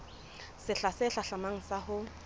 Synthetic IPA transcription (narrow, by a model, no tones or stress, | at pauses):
sɪɬasɪɬaɬamaŋ̩sahʊ